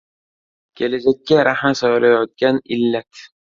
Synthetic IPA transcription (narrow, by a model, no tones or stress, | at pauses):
kʲʰelad͡ʒakʲːaɾahmasɒjlajɒt̪̚kʲanɪlːat̪